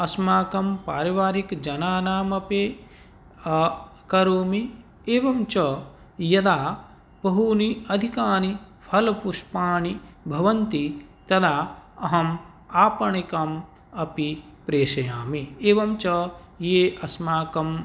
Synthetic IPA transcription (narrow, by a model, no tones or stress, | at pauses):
ɐsmaːkɐmpaːɾiʋaːɾikd͡ʒɐnaːnaːmɐpeː | kɐɾoːmi | eːʋɐmt͡ʃɐ | jɐd̪aː | bɐɦuniɐd̪ʱikaːni | pʰɐlpuʃpaːni | bʱɐʋɐnt̪it̪ɐd̪aːɐɦɐm | aːpɐɳikɐm | ɐpi | pɾeːʃɐjaːmieːʋɐmt͡ʃɐ | jeːʔɐsmaːkɐm